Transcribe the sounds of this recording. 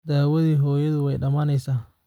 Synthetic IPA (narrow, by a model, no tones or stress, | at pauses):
d̪aːwɐðiːɦɔːjɐðʊwɛjɖɐmaːnɛjsaː